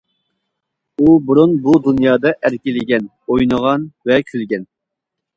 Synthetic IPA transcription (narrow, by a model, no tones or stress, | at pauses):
ubuɾunbud̪unjɑːd̪ɑʔæɾkʲɪlɪɡʲɛn | ojnəʁɑnvɛkʲʰylɡʲɛn